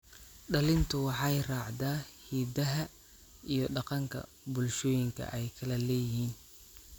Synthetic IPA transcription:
ɖɐlɪnt̪ʰʊwɑħɑjrɑːʕd̪aːhiːd̪ɐɦɐ | ijɞɖɑqɑŋkʰɐ̰ | bʊlʃɔːjɪŋkʰɐ̰ʔɛjkʰɐlɐlɛːjɪɦiːn

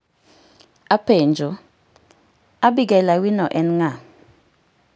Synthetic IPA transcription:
apend͡ʒɔ | abiɡɛlawinɔʔɛnŋa

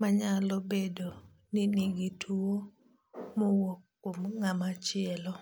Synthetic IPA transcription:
maɲalɔbedo | nɪniɡitʰuo | mɔwɔkːomŋamat͡ʃɪɛlɔ

